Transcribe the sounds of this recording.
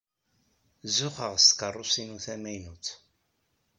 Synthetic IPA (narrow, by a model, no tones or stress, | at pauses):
zʊχəʁst̪kərˤːʊsinuθæmæjnuθ